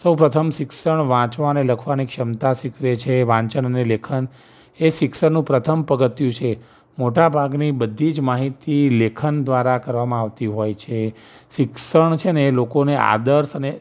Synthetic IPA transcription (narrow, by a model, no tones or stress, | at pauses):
səwpɾət̪ʰəmʃɪkʃəɳ̃ʋãt͡ʃʋaneləkʰʋanikʃəmt̪aʃɪkʰʋet͡ʃʰeʋãɲt͡ʃəɳənelekʰən | eʃɪkʃəɳnũpɾət̪ʰəmpəɡət̪jũt͡ʃʰe | moʈabʱaɡnibəd̪ʱːid͡ʒmaɦit̪ilekʰənd̪ʋaɾakəɾʋamãaʋt̪iɦojt͡ʃʰe | ʃɪksəɳt͡ʃʰenelokonea̰d̪əɾsəne